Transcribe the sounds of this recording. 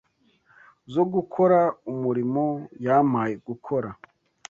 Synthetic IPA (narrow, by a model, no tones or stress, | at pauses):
zoɡukʰo̞ɾaumuɾimo̞jamajeɡukʰoɾa